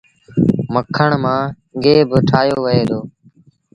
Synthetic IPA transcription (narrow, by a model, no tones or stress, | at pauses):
məkʰːəɳmãː | ɠeːbʈʰaːjoːʋəeːd̪oː